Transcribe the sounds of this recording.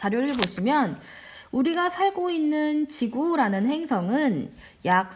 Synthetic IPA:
t͡ɕaɾjoɾɯɭboɕʰimjʌnuɾiɡasʰaɭɡoinːɯnt͡ɕiɡuɾanɯnɦe̞ŋsʰʌŋɯn | jak̚

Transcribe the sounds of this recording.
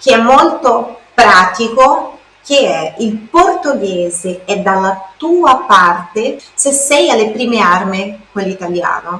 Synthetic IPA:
k̟eɛmːolt̪opɾaːt̪iko | k̟eɛilport̪oɡɛːzeɛd̪ːalːat̪uːapart̪esesːɛjalːepɾiːmearmekwelːit̪alja̰ːno

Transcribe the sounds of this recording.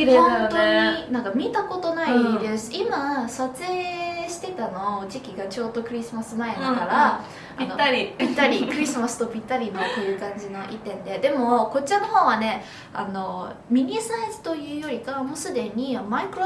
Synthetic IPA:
d̪honnt̪oɲinãŋkamʲit̪ako̞t̪o̞naid̪e̞sɨ̥imasat͡sɨeːɕi̥t̪e̞t̪ano̞d͡ʑikʲiɡat͡ɕo̞ːd̪o̞kɯ̟ɾʲisɨmasɨnaikaɾa | ainoaɾʲipʲit̪ːaɾʲikɯ̟ɾʲisɨmasɨ̥t̪o̞bʲit̪ːaɾʲimot̪ːejɯ̟ːkãɲ̟d͡ʑino̞ʔit̪ːẽ̞nd̪e̞d̪e̞mo̞ko̞t͡ɕːiano̞ho̞ːβane̞ | a̰no̞mʲiɲ̟ʲisaezɨ̥t̪o̞jɯ̟ːjo̞ɾʲikamo̞sɨd̪e̞ɲ̟imaikɯ̟ɾo

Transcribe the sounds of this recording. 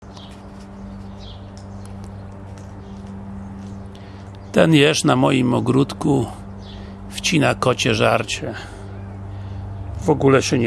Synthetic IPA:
t̪ɛnjɛʂnamɔjimɔɡɾut̪ku | ft͡ɕinakɔt͡ɕɛʐaɾt͡ɕɛ | vɔɡulɛɕɛɲ

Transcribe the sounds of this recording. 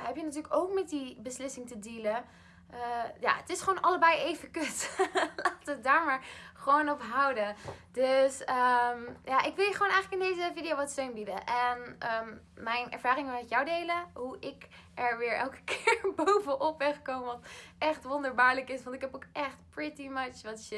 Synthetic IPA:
ɦɛpjənatyːɹləkowkmɛt̚dibəslɪsɪŋtədeːlə | ʔəja̰ːətɪsχʋonʔɑləbɛjejvəkøtlaːtət̚daːɹmaːɹχəʋownɔpɦʌwdədøsəmjaʔɪkʋɪlˠjəχəʋoːnɛjxχləkɪndejzəvidijowʋɑtstøɥnbidəʔɛnəm | mɛjnɛ̰ɹvaːɾɪŋmɛtjawdejləɦuʔɪk | ɛɹʋɪːɹɛ̰lˠkə̥kʰɪːɹbowvəʔɔpʋɛχkowməʋɑtʔɛχtʋɔndəɹbaːɹləkɪsʋɑntɪkɛpokʔɛχtpɹɪtimʌt͡ʃʋɑtʃɪt

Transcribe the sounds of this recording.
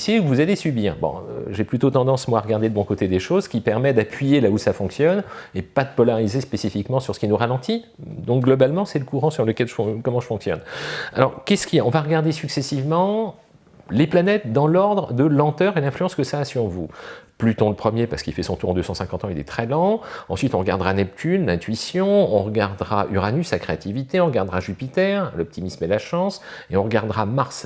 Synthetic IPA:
sikvuzalesɥybiːʁbɔ̰̃ʒeplyt̪ot̪ɑ̃d̪ɑ̃smwaaʁəɡaʁd̪eləbɔ̃kot̪ed̪eʃozkʲipɛʁmɛd̪apɥijelausafɔ̃ksjɔnepad̪əpɔlaʁizespesifikmɑ̃syʁsə̥kʲinuʁalɑ̃t̪i | d̪ɔ̃k̚ɡlɔbalmɑ̃sɛləkuʁɑ̃syʁləkʲɛlʒəfkɔmɑ̃ʒəfɔ̃ksjɔ̰na̰lɔʁkʲɛsə̥kʲijaɔ̃vaʁəɡaʁd̪esyksesivmɑ̃ | leplanɛt̪̚d̪ɑ̃lɔʁd̪ʁd̪əlɑ̃t̪œːʁelɛ̃flyɑ̃skəsaːsyʁvuplyt̪ɔ̃ləpχəmjepaʁsə̥kilfɛsɔ̃t̪uʁɑ̃d̪øsɑ̃sɛ̃kɑ̃t̪ɑ̃ilɛ̰t̪χɛlɑ̃ɑ̃sɥit̪ɔ̃ʁəɡaʁd̪ʁanɛp̚t̪ʰynlɛ̃t̪ɥisjɔ̃ɔ̃ʁəɡaʁd̪ʁaʔyʁanysakχeat̪ivit̪eɔ̃ʁəɡaʁd̪ʁaʒypit̪ɛʁlɔp̚t̪ʰimismɛlaʃɑ̃seɔ̃ʁəɡaʁd̪ʁamaʁs

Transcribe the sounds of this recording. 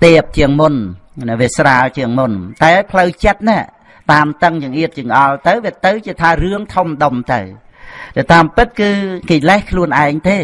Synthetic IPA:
ɗɛːəp̚t͡ɕiəŋmunnʋiəsraːlt͡ɕiəŋmunt̪aɛpʰləwt͡ɕət̪̚nɛ̆ə | t̪aːmt̪əŋjəŋʔiət̪̚t͡ɕiəŋkʔɑlt̪ɨwʋiət̪ɨwt͡ɕiət̪ʰaːrɨəŋt̪ʰomɗomt̪ɨ̰w | ɗ̪at̪aːmpɨt̪̚kɨːkeːlɛhkʰluənʔaɛŋt̪eː

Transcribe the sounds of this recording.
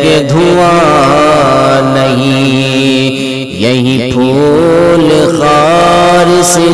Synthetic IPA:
ked̪ʱua | nɐɦĩ | jɐɦĩʈʰuːlxaːɾɪsɪ

